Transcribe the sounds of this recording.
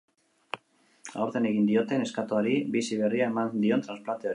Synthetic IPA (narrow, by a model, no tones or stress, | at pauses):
a̰o̞ɾðe̞ne̞ɣind̪io̞t̪e̞ne̞skat̪oaɾibisiβ̞e̞riaemand̪io̞nt̪ɾansplant̪e̞o